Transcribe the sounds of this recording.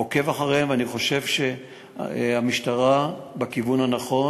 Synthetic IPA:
oke̞vaχaʁeemveaniχo̞ʃe̞vʃe̞ | amiʃtaʁabekivunanaχo̞

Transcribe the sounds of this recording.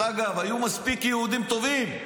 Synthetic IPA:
aɡavajumaspikjeud̪imt̪o̞vim

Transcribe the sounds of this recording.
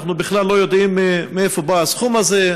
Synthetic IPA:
χnubɪχlalːo̞jod̪imːeefobaasχumaze

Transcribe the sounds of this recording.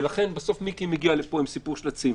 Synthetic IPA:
laχe̞nbaso̞fmikimeɡialepoimsipuʁʃlat͡siv

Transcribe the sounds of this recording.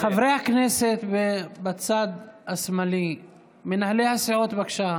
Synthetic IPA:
xavɾehakneset̪bebat͡sad̪asmali | menahlehasiʕot̪bakʃa

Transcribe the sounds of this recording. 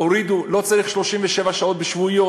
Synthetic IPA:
oɾid̪ulo̞t͡saʁiχʃlo̞ʃimveʃevaʃao̞t̪̚beʃvuijo

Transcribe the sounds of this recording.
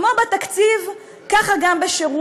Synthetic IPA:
mobat̪akt͡siv | kaχaɡambeʃeʁu

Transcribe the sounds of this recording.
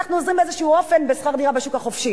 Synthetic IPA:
aχnuozʁimbezeʃuuofenbesχaʁd̪iʁabeʃukaχofʃi

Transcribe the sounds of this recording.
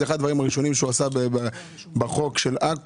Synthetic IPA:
eχad̪vaʁimaʁiʃo̞nimʃeuasabeba | baχo̞kʃelak

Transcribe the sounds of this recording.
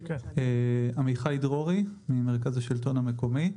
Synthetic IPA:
eamiχajdʁoʁimime̞ʁ̞kazhaʃilto̞nhameko̞mi

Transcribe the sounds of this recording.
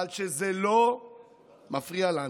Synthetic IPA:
alʃezelo | mafʁiala

